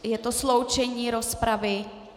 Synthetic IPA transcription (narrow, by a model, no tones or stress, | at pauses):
jɛt̪oslowt͡ʃɛɲiːɾospɾavɪ